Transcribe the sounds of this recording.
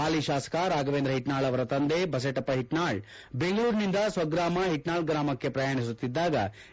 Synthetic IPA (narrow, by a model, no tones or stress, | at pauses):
aːliʃaːsɐ̥kaɾaːɡɐʋeːnd̪ɾɐɦiʈnaːɭɐʋɐɾɐt̪ɐnd̪ebɐs̬ɐʈɐpːɐɦiʈnaːɭ | beŋɡɐɭuːɾnind̪ɐsʋɐɡɾaːmɐɦiʈnaːɭɡɾaːmɐkːepɾɐjaːɳ̃isut̪ːid̪ːaːɡɐ̰